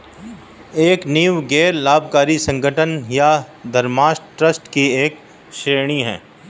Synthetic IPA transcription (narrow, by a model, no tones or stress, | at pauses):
eːkniːwɡeːɾlaːbʱkaːɾisɐ̃ŋɡəʈʰənjad̪ɐɾmaːsʈɾəsʈkieːk | ʃeːɾɽ̃iɦɛ̰ː